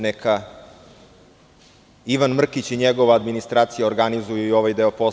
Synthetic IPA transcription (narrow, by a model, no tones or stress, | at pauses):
neka | iʋanmr̩kit͡ɕiɲeɡo̞ʋaːd̪minist̪ɾaːt̪sijaoɾɡanizujuio̞ʋajd̪eopo